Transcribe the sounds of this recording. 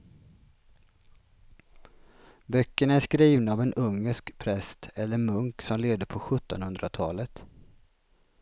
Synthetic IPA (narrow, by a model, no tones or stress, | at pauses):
bœkːəɳaæʂkɾiːvnaaːvɛnʔɵŋːəʂkpʰɾɛst̪ʰɛlːəɾmɵŋksɔmleːvd̪əpʰɔɧɵt̪ːɔnhɵnd̪ɾat̪ʰɑːlət̪